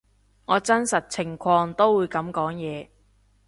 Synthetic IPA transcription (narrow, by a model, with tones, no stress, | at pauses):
ŋɔː˨˧t͡sɐ˥nsɐ˨t̚t͡sʰɪ˨˩ŋkʰɔː˧ŋt̪o˥wuː˨˧jkɐ˨˥mkɔː˨˥ŋjɛː˨˧